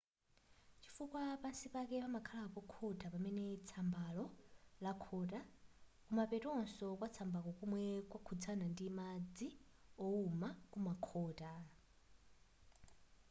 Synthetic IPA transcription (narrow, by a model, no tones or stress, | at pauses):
t͡ʃʰifukwapansipakɛpamakʰalapɔkʰɔtʼapamɛnɛt͡sʰambalɔlakʰɔtakumapɛtɔɔnsɔkwat͡sʰambakɔkumwɛkwakʰud͡zʰanandimad͡ziɔumakumakʰɔːta